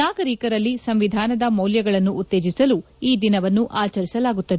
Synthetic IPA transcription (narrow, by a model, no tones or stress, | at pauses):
naːɡɐɾikɐɾɐlːisɐmʋid̪ʱaːnɐd̪ɐmɐwljɐɡɐɭɐnːuːt̪ːe̞ːd͡ʒisɐlu | iːd̪inɐʋɐnːuʔaːt͡ʃɐɾisɐlaːɡut̪ːɐd̪e